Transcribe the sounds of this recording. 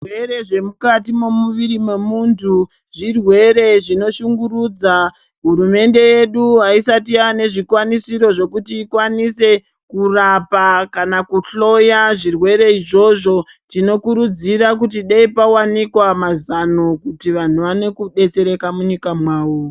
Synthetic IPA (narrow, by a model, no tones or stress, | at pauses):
weɾe̞ʐe̞mukatimomuʋiɾimwe̞muntʰu | ʐirwe̞ɾe̞ʐino̞ʃuŋɡuruːd͡za | ɦuɾume̞nde̞je̞ɗuɦaisatiane̞ʐikwanisiɾo̞ʐo̞kutiːkwanise̞ | kurapakanakuɬo̞jaʐirwe̞ɾe̞iʐo̞ʐo̞ | tino̞kuɾud͡ziɾak̬ut̬iɗaipawanikwamazano̞kutiʋan̤uʋane̞kuɗe̞t͡se̞ɾe̞kamuɲikamwaːwo